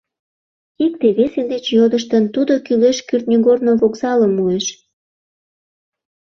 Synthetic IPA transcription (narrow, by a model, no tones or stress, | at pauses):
ik̚t̪eβesed̪et͡ɕjod̪əʃt̪ənt̪ud̪okyleʃkyrt̪̚nʲyɣornoβokzɑləmueʃ